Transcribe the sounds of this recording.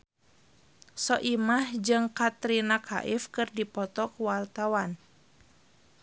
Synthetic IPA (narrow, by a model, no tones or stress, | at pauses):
sɔʔimahd͡ʒɨŋkat̪ɾinakʰa̰ʔɪfkɨrdipɔt̪ɔkwart̪awan